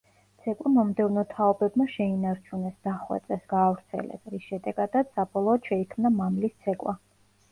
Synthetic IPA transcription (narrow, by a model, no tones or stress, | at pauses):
t̪sʰɛkʼwimɔmd̪ɛvnɔt̪ʰaɔbɛbmaʃɛinaɾt͡ʃʰunɛsd̪aχwɛ̰t̪sʼɛsɡaːvɾt̪sʰɛ̰lɛ̰sɾisʃɛd̪ɛɡad̪at̪ssabɔlˠɔːd̪ʃɛikʰmnamamlist̪sʰɛkʼwa